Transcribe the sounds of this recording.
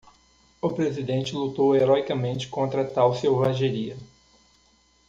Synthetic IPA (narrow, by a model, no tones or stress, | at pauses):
ʊpɾezid̪ẽnt͡ʃɪlut̪oweɾɔjkɐmẽnt͡ʃɪ̥kõnt̪ɾɐt̪awsewvaʒeɾiɐ